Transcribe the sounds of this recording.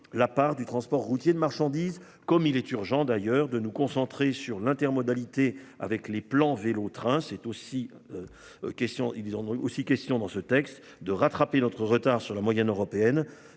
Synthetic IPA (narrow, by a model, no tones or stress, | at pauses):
lapaʁd̪yt̪χɑ̃spɔʁːut̪jed̪əmaʁʃɑ̃d̪iːz | kɔmilɛt̪yʁʒɑ̃d̪ajœʁd̪ənukɔ̃sɑ̃t̪χesyʁlɛ̃t̪ɛʁmɔd̪alit̪ea̰vɛkleplɑ̃velot̪χɛ̃sɛt̪osi | ø | kʲɛst̪jɔ̃ʔilzɑ̃osikʲɛst̪jɔ̃d̪ɑ̃sət̪ɛkst̪ | d̪əʁat̪χapenɔt̪χəʁət̪aʁsyʁlamwajɛnøʁɔpeɛn